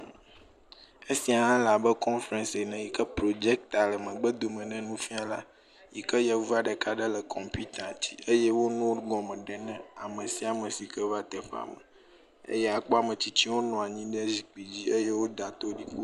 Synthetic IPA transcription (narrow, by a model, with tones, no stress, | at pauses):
e˦si˦a˨a˦la˨bɛ˦kɔ̃˦nfɾɛ̃˨nse˨nɛ̃˨ji˨kə˦pɾo˨d͡ʒɛ˦k̚t̪a˨lə˨mə̃˨ɡ͡bə˦d̪o˨mə̃˨nɛ̃˦nũ˦fi˦a˨la̰˦ | ji˨kə˦jɛ˨vu˦a˨ɖə˨ka˦ɖə˦lə˨kʰɔ˨mpi˦t̪a˨t͡ɕḭ˦e˦jɛ˦wo˦nũ˦wɡɔ˨mɛ̃˨ɖɛ˨nɛ̃˦a˨mə̃˨si˦a˨mə̃˨si˨kə˦va˦t̪ɛ˨ɸa̰˨mə̰˨ | ḛ˦jɛ˦a˨k͡pɔ˦a˨mə̃˨t͡ɕi˦t͡ɕi˦wo˦nɔ̃˨a˨ɲĩ˦ɖɛ˦zi˨k͡pi˨d͡ʑi˦e˦je˦wo˦d̪a˨t̪o˦ɖi˦ku˦